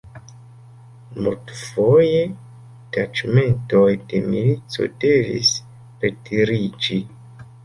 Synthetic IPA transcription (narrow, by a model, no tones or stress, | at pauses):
multfo̞je̞ | tad͡ʒme̞nto̞jde̞milit͡so̞̰de̞vḭs | ɾetiɾid͡ʒi